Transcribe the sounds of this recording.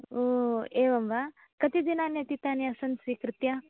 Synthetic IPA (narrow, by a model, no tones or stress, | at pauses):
oːeːʋɐmʋa | kɐt̪id̪inaːnjɐt̪it̪aːniɐsɐnsʋiːkɾɪt̪jɐ